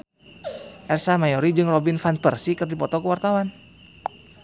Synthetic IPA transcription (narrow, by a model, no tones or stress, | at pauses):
ʔɛrsamajɔɾid͡ʒɨŋrɔbinfanpərsikərdipɔt̪ɔkəwart̪awan